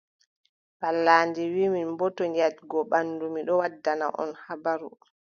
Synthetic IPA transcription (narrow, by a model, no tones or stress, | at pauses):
balːaːndɛwiːminmbɔtɔɲatɡɔɓanːdumiɗɔwadːana̰ʔɔ̰nhabaɾu